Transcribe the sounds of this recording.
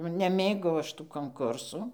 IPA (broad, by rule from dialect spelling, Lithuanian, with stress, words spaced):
nʊ nʲɛˈmʲeːɡɐʊ ˈɐʃ tuː koːŋˈkʊrsuː